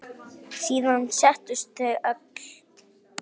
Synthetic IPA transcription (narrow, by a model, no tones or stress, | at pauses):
siːðansɛht̪ʏst̪ɛak